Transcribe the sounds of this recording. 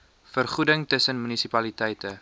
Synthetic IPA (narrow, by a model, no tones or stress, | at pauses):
fərχudəŋtəsənmynisipɐlitɛjtə